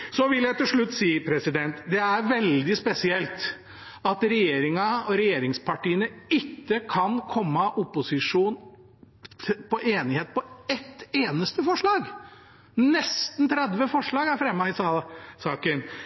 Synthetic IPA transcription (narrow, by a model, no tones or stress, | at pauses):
sɔʋɪljæɪt̪ɪlʂɭʉt̪ːsiːpʰɾɛsɪd̪ɛnt̪d̪ɛæɾʋɛld̪ɪspɛsɪɛlt̪ | ɑt̪ɾɛjeːɾɪŋɑɔɾɛjeːɾɪŋspʰɑʈiːənəɪkːəkʰɑnkʰɔmːəʔʊpːʊsɪʂuːnʰ | pɔʔeːnɪheːt̪̚pɔɛt̪ːeːnəst̪əfɔʂɭɑːɡ | nɛst̪n̩t̪ʰɾɛd̪ʋəfɔʂɭɑːɡæɾfɾɛmːəɪsɑləsɑːkən